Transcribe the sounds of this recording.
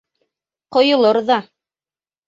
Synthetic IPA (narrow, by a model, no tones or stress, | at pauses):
qŏjŏlˠɤɾðɑ